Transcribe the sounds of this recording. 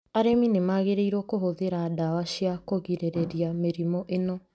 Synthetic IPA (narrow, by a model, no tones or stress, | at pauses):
aɾeminemaɣeɾeiɾokoɦoðeɾadawaʃiakoɣiɾeɾeɾiameɾimɔʔenɔ